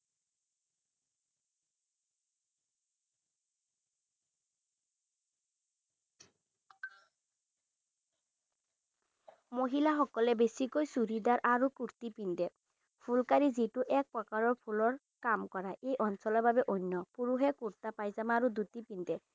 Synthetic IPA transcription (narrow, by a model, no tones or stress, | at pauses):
moɦilaxɔkɔlɛbesikojsuɾid̪aɹʔaɹukuɹt̪ipind̪ɛ | pʰulkaɹizituʔɛk̚pɹɔkaɹɔɹpʰulɔɹ | kamkɔɹaʔejʔɔnsɔlɔɹbabɛʔonːɔpuɹuɦɛkuɹt̪apajzamaːɹud̪ut̪ipind̪ɛ